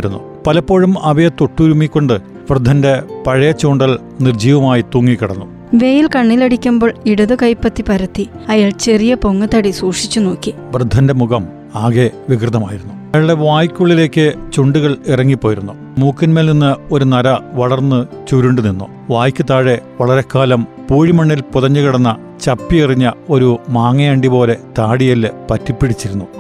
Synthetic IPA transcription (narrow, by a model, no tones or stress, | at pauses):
ɾunːṵ | pɐlɐpːo̞ːɻumɐʋɐt̪oʈːuɾumikʲːo̞ɳɖɨ | ʋrɨd̪ʱːɐnde̞pɐɻɐjɐt͡ɕːoːɳɖɐɭ | nird͡ʑiːʋɐmaːjit̪uːŋːikːiɽɐnːu | ʋe̞ːjilkɐɳːilɐɽikʲːumboːɭiɽɐðɨkɐjpːɐt̪ːipɐɾɐt̪ːiɐjaːɭt͡ɕe̞rijɐpoŋːɐt̪ɐɽisuːʂit͡ɕːuno̞ːkːi | ʋrɨd̪ʱːɐnde̞muɣɐm | aːɣe̞ʋikrɨd̪ɐmaːjiɾunːuɐjaːɭɖe̞ʋaːjikʲːuɭːile̞ːkːɨt͡ɕuɳɖuɣɐɭirɐŋːipːo̞ːjiɾunːu | muːkːinmeːlninːɨo̞ɾunɐɾɐʋɐɭɐrnːɨt͡ɕuɾuɳɖɨninːu | ʋaːjkʲːɨt̪aːɻe̞ʋɐɭɐɾe̞kːaːlɐm | puːɻimɐɳːilpuðɐɲːɐɣɐɽɐnːɐ | t͡ɕɐpːiiriɲːɐo̞ɾumaːŋɐjaːɳɖipo̞ːle̞t̪aːɽijɐlpɐtːipːiɽit͡ɕːiɾunːu